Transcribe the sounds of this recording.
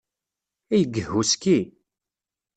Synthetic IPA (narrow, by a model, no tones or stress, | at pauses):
æjəɡəhːuskːi